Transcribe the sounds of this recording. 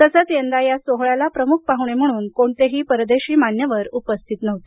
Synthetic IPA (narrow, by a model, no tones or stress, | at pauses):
t̪əsət͡sjend̪ajasoɦɭalapɾəmuk̚ʰpaɦuɳem̤əɽ̃uːnkoɳt̪eɦiːpəɾd̪eɕiːmanjəʋəɾupəst̪ʰit̪nəʋt̪e̥